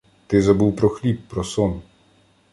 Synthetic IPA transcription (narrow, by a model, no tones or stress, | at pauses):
t̪ɪzabuwpɾɔxlʲipːɾɔsɔn